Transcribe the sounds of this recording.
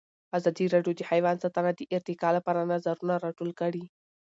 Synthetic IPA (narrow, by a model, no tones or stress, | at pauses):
azɑd̪iɾɑɖjod̪əhajwɑnsɑt̪anad̪əʔɪɾt̪ɪkɑlapɑɾanazaɾunaɾɑʈolkəɽi